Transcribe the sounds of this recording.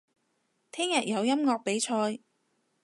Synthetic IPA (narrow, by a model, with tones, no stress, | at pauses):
t̪ʰɛː˥ŋjɐ˨t̚jɐ˨˧wjɐ˥mŋɔː˧k̚pe˨˥jt͡ʃʰɔː˧j